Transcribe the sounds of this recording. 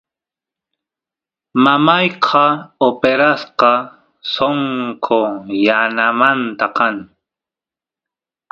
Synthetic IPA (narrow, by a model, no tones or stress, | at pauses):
mamajqʰɑopeɾasqɑ | soŋkʰojanamant̪aqɑŋ